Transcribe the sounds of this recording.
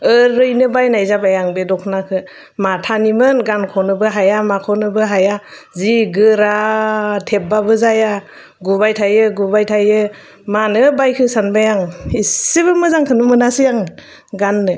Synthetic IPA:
ɯɾɯjnɯbajnajzabajaŋbedɔkʰnakʰɯ | matʰanimɯnɡankʰɔnɯbɯɦajamakʰɔnɯbɯɦaja | ziɡɯɾatʰep̚babɯzaja | ɡubajtʰajɯɡubajtʰajɯ | manɯbajkʰɯsanbajaŋisiβɯmɯzaŋkʰɯnɯmɯnasijaŋ | ɡanːɯ

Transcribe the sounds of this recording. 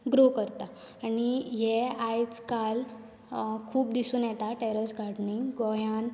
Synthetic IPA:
ɡɾokəɾt̪a | aɽiɦɛajt͡skal | kʰuːp̚d̪isuːnjɛt̪aʈɛɾəsɡʱaʈniɡɔjan

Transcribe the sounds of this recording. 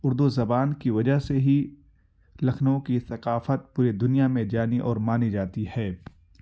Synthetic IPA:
ʊɾd̪uzɐbaːnkiʋɐd͡ʒaɦseɦi | lɐkʰnõkiθɐqaːfət̪̚puːɾid̪ʊnijamẽd͡ʒaːniʔɔːɾmaːnid͡ʒaːt̪ihɛː

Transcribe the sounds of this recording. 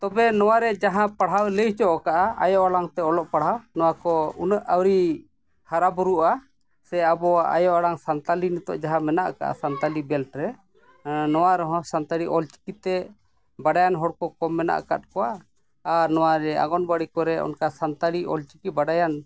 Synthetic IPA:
t̪ɔbɛnɔwaɾɛd͡ʒaɦãpaɽɦawləjt͡ʃɔʔɔkaʔaa̰jɔʔaɽaŋt̪ɛɔlɔʔpaɽ̤ɦawnɔwakɔunəʔawɾi | haɾabɔɾuʔa | sɛabɔaa̰jɔʔaɽaŋsant̪alinɛt̪ɔ̰ʔd͡ʒaɦãmɛnaʔka̰ʔa̰sant̪alibɛlʈɾɛ | nɔwaɾɔɦɔ̃sant̪aɽiʔɔlt͡ʃi̥kit̪ɛ | baɖajanɦɔɽkɔkɔmːɛna̰ʔka̰t̪̚kɔwaː | ɾnɔwaɾɛa̰ɡɔnbaɽikɔɾɛɔ̰nkasant̪aɽiʔɔ̰lt͡ʃi̥kibaɖajan

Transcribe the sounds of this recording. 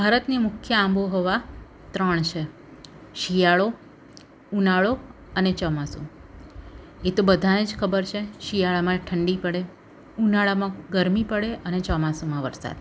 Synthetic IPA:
bʱaɾət̪nemʊkʰjəãmboɦɔʋa | t̪ɾəɳ̃t͡ʃʰe | ʃijaɭo | unaɭo | ənet͡ʃɔmasṵ̃ | et̪obəd̪ʱaned͡ʒkʰəbəɾt͡ʃʰeʃijaɭamãʈʰəɳɖipəɽe | unaɭamãɡəɾmipəɽeʔənet͡ʃɔmasomãʋəɾsa̰d̪

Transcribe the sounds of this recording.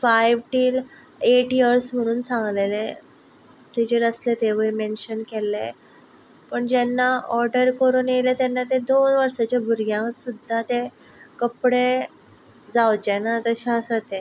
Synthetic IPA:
fajʋʈiːl | eʈjəɾsm̤əɽ̃uːnsãŋɡlele | t̪ed͡ʑeɾəslet̪eʋəɾmenɕənkelḛ | pəɳd͡ʑɛnːaɔɾɖəɾkəɾuːnjelet̪anːat̪ed̪onʋəɾsat͡ɕabʱuɾɡjãŋsud̪ʱːat̪e | kəpɽe | d͡zawd͡ʑenat̪əɕaəsət̪e

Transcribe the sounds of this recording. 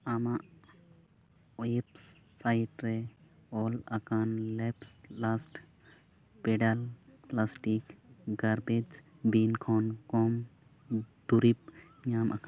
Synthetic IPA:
amaʔ | epː | ajiʈɾeɔːlɐkanlɛpslasʈ | peɖɐlplasʈikɡɐɾbed͡ʒ | binkʰɔːnkɔm | d̪uɾip̚ | ɲaːmʔa̰k

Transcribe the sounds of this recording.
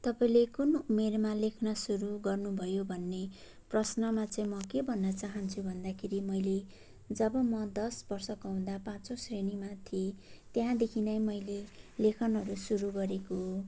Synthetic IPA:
t̪ʌpaĩlekunumermalekʰnʌsuɾuɡʌrnubʱʌjobʱʌnːe | prʌsnʌmat͡sʌĩmʌkebʱʌnːʌt͡saɦʌnt͡sʰubʱʌnd̪akʰeɾimʌjle | d͡zʌbʌmʌd̪ʌsbʌrsʌkawũd̪apãt͡sosrenimat̪ʰiet̪eɦãd̪ekʰinʌjmʌjlelekʰʌnɦʌɾusuɾuɡʌɾeko

